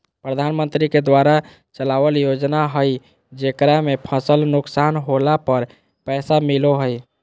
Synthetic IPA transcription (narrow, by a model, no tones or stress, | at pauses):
pɾəd̪ʱanmənt̪ɾiked̪waɾa | t͡ʃəlabəljod͡ʒnaɦəj | d͡ʒekɾamepʰəsəlnʊksanɦolapəɾ | pɛːsamiloɦəj